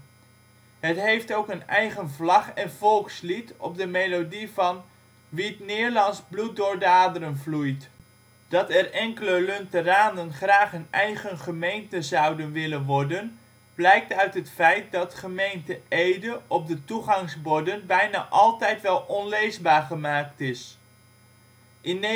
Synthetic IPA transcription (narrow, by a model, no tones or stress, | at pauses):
ɦətɦejftowkənɛjχənvlɑχɛnvɔlˠkslitɔ̰b̚dəmelodivɑn | ʋiətnɪːɹlɑnzblut̚dʊːɹdaːdəɾənvlujt | d̥ɑtɛrɛŋkələlɵntəraːndənχraːχənɛjχənχəmejntəzɑwdənʋɪlənʋɔɹdən | b̥lɛjk̚tœɥtɦətfɛjt̚dɑtχəmejntəejdəʔɔp̚dətuχɑŋzbɔdənbɛjna̰ːʔɑlˠtɛjtʋɛlˠɔnlejzbaːɹχəmaːktɪs | ʔɪn